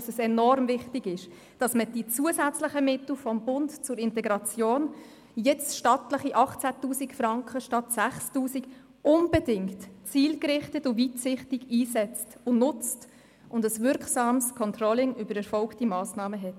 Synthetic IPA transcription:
səsɛnɔrmvɪχtiɡɪʃ | d̥ɑsməd̥it͡suəsæt͡sləχəmɪtl̩fɔmbʊntt͡sʊɾɪntɛɡɾɑt͡sjoːn | jɛt͡sʃtɑtləχiʔɑχt͡sætuːsikfɾɑŋkχəʃtɑtsæχstuːsik | ʊnb̥ədɪŋtt͡siːlkrɪχtətʊvitsɪχtiɡiːsɛt͡stʊnʊt͡st | ʔʊndəsvʏɾksɑːmskʰɔntrɔlɪŋybəɾɛɾfɔlktimɑːsnɑːməɦɛt

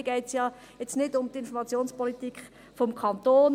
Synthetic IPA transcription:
ɡ̥ɛɪtsjɑː | jɛt͡snɪdʊmt̪ɪnfɔmɑt͡sjoːnspɔlit̪ikχ | fɔmkʰɑnt̪oːn

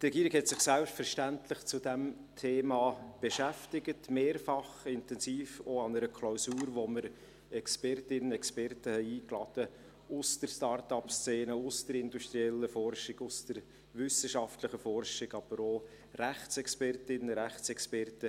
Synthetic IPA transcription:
tɾɛɡiːɾɪkhɛtsɪχsælptfəɾʃtæntlɪχt͡sʊdæm | tʰeːmɑːb̥eʃæftɪɡətmeːɾfɑχɪntɛnsiːfoɑnəɾəkʰlaʊsuːɾʋoməɾ | ɛkspɛrtɪnənɛkspɛrtəhɛɪiːklɑd̥ə | ʊsd̥əɾstɑːrtɑpst͡seːnəʊstəɾɪnduʃtɾiɛlːəfɔrʃɪɡʊsd̥əɾ | vʏsəʃɑftləχəfɔrʃɪɡɑb̥əɾo | ɾæχt͡sɛkspɛrtɪnəɾæχt͡sɛkspɛrtə

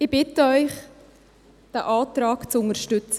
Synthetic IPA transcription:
ɪb̥ɪtəœʏχ | d̪̥æʔɑːtɾɑːkt͡sʊnəʃtʏt͡sə

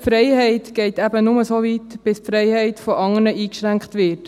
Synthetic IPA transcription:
fɾɛɪjhɛɪtɡ̥ɛɪtæbənʊməsoːviːtb̥ɪspfɾɛɪhɛɪtfɔʔɑŋəɾnəʔiːkʃɾæŋkχtʋɪt

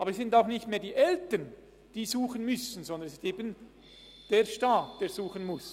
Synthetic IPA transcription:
ʔɑːbəɾsz̥ɪntaʊxnɪçtmeːɐdiːʔɛltən | d̥iːzuːχənmʏsən̩zɔnd̪ənsɪsteːbən | d̥eːɐʃtaːtd̥eːɐz̥uːxənmʊs

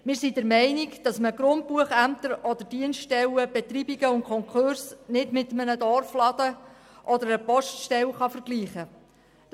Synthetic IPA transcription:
mɪːɾsidəɾmɛɪnikd̥ɑsməɡɾʊnt̚puəχæmt̪əɾɔd̪əɾd̥iənstɛləb̥ɛt̪ɾiːbiɡəʊnkʰɔŋkʰʊɾsnɪdmɪt̪əmənədɔrflɑd̥̪ə | ʔɔd̪əɾəpɔʃtʃtɛwχɑfəɾɡ̥liːχə

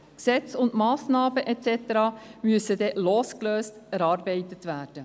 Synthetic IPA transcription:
ksɛt͡sʊndmɑːsnɑːbəʔɛtt͡sɛt̪əɾɑmyəsəd̪ɛloːskløːstæɾɑːɾbɛɪtətʋæːd̥ə

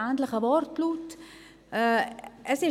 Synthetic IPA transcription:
ant̪ləχəvɔrtlutː | əsɪ

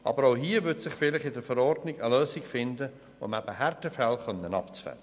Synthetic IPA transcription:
ɑ̰bəɾoʊɦiːvʏtsɪχfɪlɪχɪdəɾfəɾɔɾdnɪɡəløːsiɡfɪndə | ʊ̰mæb̥əhærtəfɛlχœnːənɑ̰pt͡sfɛ̰nə

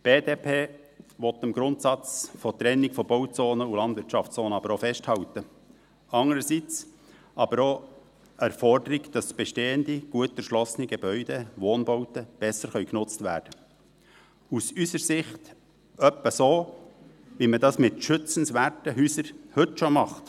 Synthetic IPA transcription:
b̥eːdeːpʰeː | ʋɔt̪əmɡɾʊntsɑt͡sfɔt̪ɾɛnːɪɡfɔbɔʊt͡soːnəulɑnd̪vɪɾtʃɑft͡soːnəɑbəɾofɛʃthɑwtə | ɑŋəɾəsit͡s | ʔɑbəɾo | æɾfɔrdəɾiɡd̥ɑsb̥ɛʃteːəndiɡ̥uətæɾʃlɔsəniɡebœʏd̥eʋoːnbɔʊtəb̥ɛsəɾχœʏknʊt͡stʋæ̰ːɾd̥ə | usysəɾsɪχt | œpːəsoː | ʋimədɑsmɪtʃʏt͡sən̩sʋæːɾtəɦyːsəɾhɵtʃomɑχt

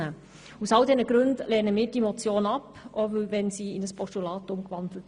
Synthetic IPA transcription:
ə | usɑwdɛnəɡɾʉndlɛːnəmiːɾdimɔt͡sjoːnɑpɔvʋɛnsiːɪnəspɔstulɑːtʊmkʋɑndl̩ət

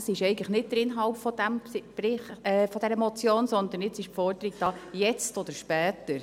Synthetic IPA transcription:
sɪʃɛɪɡətləχnɪt̚d̥̪əɾɪnɦɑlpfɔd̪æmb̥ɾɪχɛfɔd̪ɛɾəmɔt͡sjoːnsɔnd̪ənɪt͡sɪʃpfɔɾdəɾiɡ̚d̥ɑjɛt͡stɔd̪əɾʃpɛːt̪əɾ

